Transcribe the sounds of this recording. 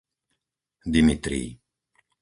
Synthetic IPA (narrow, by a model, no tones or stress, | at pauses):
d̪imit̪ɾḭː